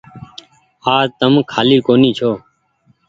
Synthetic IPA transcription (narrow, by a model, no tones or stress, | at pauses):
aːt̪əmkʰaːliːkoːniːt͡ʃʰoː